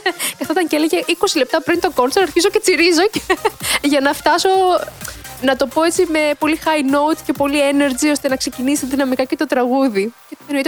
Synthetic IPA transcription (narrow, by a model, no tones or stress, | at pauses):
ceɐft̪ot̪ɐɲceleʝeʔiko̞sile̞p̚t̪ɐpɾint̪o̞konsoɾɐɾçizo̞ce̞t͡siɾizo̞ceʝɐnɐft̪ɐso̞ | nɐt̪o̞po̞e̞t͡sime̞po̞lixɐino̞ut̪ce̞po̞liene̞ɾd͡zio̞st̪e̞nɐkse̞cinisist̪ɐðinɐmikɐce̞t̪o̞t̪ɾɐɣuðicet̪enoit̪